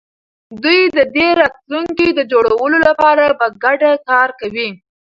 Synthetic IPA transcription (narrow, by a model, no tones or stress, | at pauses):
d̪ujd̪əd̪eɾɑt̪luŋkid̪əd͡ʒoɽawəlolapɑɾapaɡaɖakɑɾkawi